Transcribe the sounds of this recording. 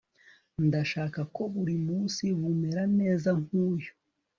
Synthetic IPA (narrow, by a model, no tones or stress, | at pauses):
ndaʃaːkako̞βuɾimuːnsiβumeɾane̞ːzaŋ̥uːjo